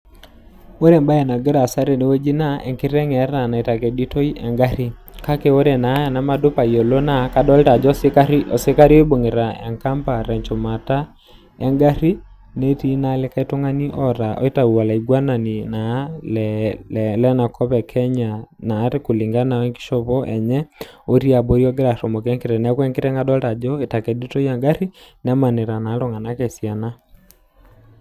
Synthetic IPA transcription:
wo˦ɾɛ˨mba˦ja˨na˨ɡɛ˦ɾa˨sa˦ɾɛ˨ni˨we˦d͡ʒi˦na˦ʔɛ̰˨ŋki˦ɾɛ˦ŋɛ˨˦ɾa˨na˨i˨ta˨ke˨di˦to˦i˦ʔɛ˨ŋɡa˦ɾi˦ka˦kɛ˨wo˦ɾɛ˨na˨˦˨na˨ma˦dʊ˦pa˨i˨o˨lo˦na˦ka˦dɔ˦lta˨d͡ʒɔ˦ka˦ɾɔ̰˨sɪ˦ka˦ɾi˦ɔ˦bo˨ŋe˨ɾa˨ɛ̰˨ŋka˦mpa˨ɾɛ˨ɲt͡ʃɔ˨ma˨ta˦ | ɛ˦ŋɡa˦ɾi˦ | ne˦ti˦na˦lɛ˦ka˦i˦to˦ŋa˦ni˦ʔɔɾa˨ʔɔ̰˦e˦ta˨u˨a˨la˨i˨ɡwa˦na˨ni˨na˨lɛ | lɛ˦na˨kʰɔ˦βɛ˨kʰɛ˦ɲa˨naː˨˦ɾe˦ko˨li˨ŋɡa˦na˨ɛ˦ŋki̥˦ʃɔ˦βɔ˦ʔɛ˨ɲɛ˦o˦ɾi˦a˨bo˦ɾjɔ˦ɡɾa˨ɾɔ˨mo˨kɛ˦ŋke˨ɾɛ˨na˦kwɛ˦ŋke˦ɾɛ˦ŋɡa˦dɔ˦la˨d͡ʒɔ˦e˨ta˨ke˨du˦to˦ja˨ŋɡa˦ɾi˦na˦ma˨ne˨ɾa˨na˨˦lɔ˨ŋa˨na˦ke˨sja˨na˦

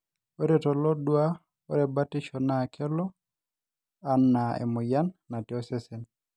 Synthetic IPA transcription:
o˦ɾɛ˨tɔ˨lɔ˦dwa˦ | o˦ɾɛ˨ba˦tɪ˦ʃɔ˨na˦˨kʰɛ˦lɔ˦ | a˦nːa˨ḛ˨mʊ˨ja˦nːa˨ti˨ɔ˦sɛ˦sɛ˨n

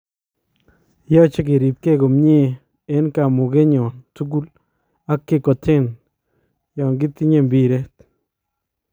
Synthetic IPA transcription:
jɔ˦t͡ʃe˦ke˨ɾi˨p̚ke˦ko˨mɲe˦˨ | e˦nka˨mʊ˨ɡe˦ɲɔ˨ntu˦ɡu˦l | a˦kːe˦kɔ˨tʰe˦˨n | jɔ˨ŋɡɪ˦t̪i˦ɲe˦˨mbi˨ɾe˦t̪

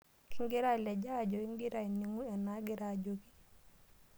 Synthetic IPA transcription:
ki˦ŋɡi˦ɾa˦˨lɛ˨d͡ʒa˦ɟo˨i˦ŋɡi˦ɾa˦i˨ni˨ŋu˦ɛ˨na˦ɡi˦ɾaɟoki̥˦

